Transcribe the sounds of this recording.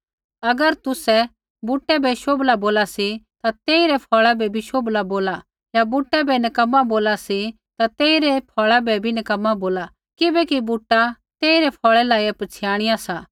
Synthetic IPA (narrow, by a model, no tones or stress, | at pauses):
ɐɡəɾt̪ʊsɛ | buʈːɛbʱɛʃoːblaboːlasit̪at̪eːiɾɛpʰɔːɭabʱɛbʱiʃoːblaboːla | jabuʈːɛbʱɛnɐkɐmːaboːlasi | t̪at̪eːiɾɛpʰɔːɭabɛbʱinɐkɐmːaboːla | kɪbɛkibuʈːa | t̪eːiɾɛpʰɔːɭɛlaːiɛpɐt͡sʰɪjaːɽ̃ɪjasaː